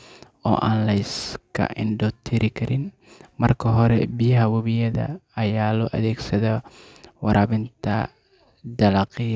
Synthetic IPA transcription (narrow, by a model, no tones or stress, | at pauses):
ɔ̰ːʔaːnlɐjskʰɐ̰ʔɪnɖɔːt̪ʰɪɾɪkʰɐɾʔɪn | mɐrkʰɐɦɔɾɛbijɐɦɐwɔβɪjɐðɐ̰ːjaːlɔːʔɐðɛːɡsɐðɔ | wɑɾʔɐːβɪnt̪ʰɐ̰ | d̪ɐlɑqɪ